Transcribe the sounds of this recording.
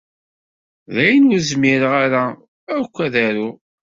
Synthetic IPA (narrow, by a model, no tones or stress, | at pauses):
ðæjənwʊɾzmɪɾəʁaɾa | əɾkʷːæðæɾu